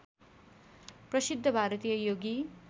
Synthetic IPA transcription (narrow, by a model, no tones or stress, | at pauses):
prʌsid̪ʱːʌbʱaɾʌt̪ijʌjoɡi